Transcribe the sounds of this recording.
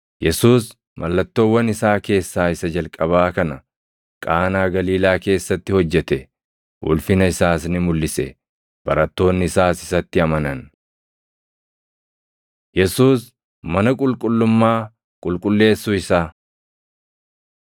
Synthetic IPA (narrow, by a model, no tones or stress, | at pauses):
jɛsuːs | mɐlːɐt̪ːo̞ːwːɐnɪsaːke̞ːsːaːɪsɐd͡ʒɐlkʼɐβaːkɐnɐ | kʼaːnaːɡɐliːlaːke̞ːsːɐt̪ːɪhɔd͡ʒːɛt̪ɛ | ʔʊ̰lfɪnɐɪsaːs̬nɪmʊlːɪsɛ̰ | b̥ɐɾɐt̪ːo̞ːnːɪɪsaːsɪsɐt̪ːɪɐmɐnɐn | jɛsuːs | mɐnɐkʼʊlkʼʊlːʊmːaː | kʼʊlkʼʊlːe̞ːsːʊɪsaː